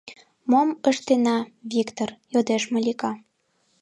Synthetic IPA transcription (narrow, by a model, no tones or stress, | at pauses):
moməʃt̪enɑβikt̪orjod̪eʃməlʲikɑ